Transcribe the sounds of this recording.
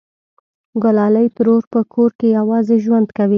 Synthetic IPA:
ɡʊlɑləjt̪əɾoɾpəkʰoɾkejawɑzeʒwand̪kawi

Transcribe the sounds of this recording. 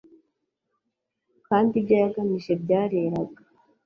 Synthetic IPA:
kaːndibɟaːjaɡamiʃe̞bɟaːɾeɾaɡa

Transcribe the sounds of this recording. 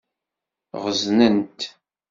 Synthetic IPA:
ʁəznənt̪

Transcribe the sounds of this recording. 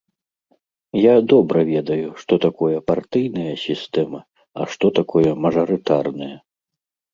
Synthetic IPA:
jad̪ɔbɾɐvʲɛd̪ɐjuʂt̪ɔt̪akʰɔjɐpart̪ɨjnɐjɐsʲist̪ɛmɐ | ɐ̰ʂt̪ɔt̪akʰɔjɐmɐʐɐɾɨt̪arnɐjɐ

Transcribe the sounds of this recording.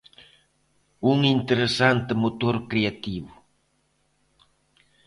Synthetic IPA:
uŋint̪eɾesant̪emot̪oɾkɾeat̪iβu

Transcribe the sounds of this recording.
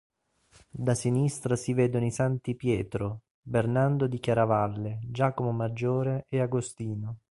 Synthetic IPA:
d̪asinist̪ɾasiveːd̪onisant̪ipjɛːt̪ɾo | bernand̪od̪ikjaɾavalːed͡ʒaːkomomad͡ʒːoːɾeeaɡost̪iːno

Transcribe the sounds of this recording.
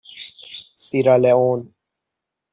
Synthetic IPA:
siɾaleon

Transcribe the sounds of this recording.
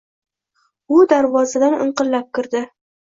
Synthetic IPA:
ʊd̪aɾvɒzad̪anɨ̰ɴqɨllap̚kʲɪɾd̪ɪ

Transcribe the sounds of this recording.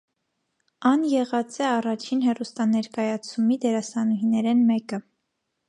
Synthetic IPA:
ɑnjɛʁɑt͡sɛɑrɑt͡ʃʰinɦɛrust̪ɑnɛɾkɑjɑt͡sʰumid̪ɛɾɑsɑnuɦinɛɾɛnmɛkə

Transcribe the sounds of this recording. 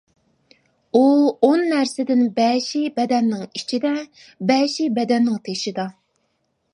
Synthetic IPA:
uonːæɾsɪd̪ɪnbɛːʃibɛd̪ɛnːɪŋit͡ʃʰid̪ɛ | bɛʃibɛd̪ɛnːɪŋt̪ʰeʃid̪ɑ

